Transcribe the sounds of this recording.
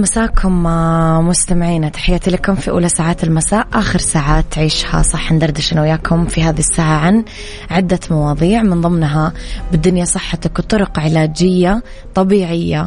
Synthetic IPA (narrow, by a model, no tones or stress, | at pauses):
masaːkʰʊmmʊst̪amɪʕiːnat̪ḁħɪjːat̪ilɪkʊmfiʔṵːlasaːʕaːt̪ɪlmasaːʔʔaːxɪɾsaːʕaːt̪ːʕiːʃha̰sˤɑħːnd̪ɑɾˤd̪ɪʃʔɪnwɪjaːkʰʊmfiɦaːðisːaːʕaʕan | ʕɪd̪ːamɑwɑːðˤiːʕmɪnðˤɨmnɦabɪd̪ːʊnjasˤɨħːɑt̪akt̪ˤʊɾʊqʕɪlaːd͡ʒɪjːa | t̪ˤɑbiːʕɪjːa